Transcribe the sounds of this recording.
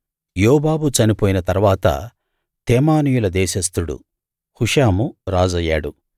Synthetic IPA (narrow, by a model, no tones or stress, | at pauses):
jɔːbaːbut͡ʃɐnipoːjinɐt̪ɐɾʋaːt̪ɐ̰ | t̪eːmaːnijulɐd̪ɛːʃɐst̪uɽṵ | huʂaːmuɾaːd͡ʒɐjːa̰ːɽu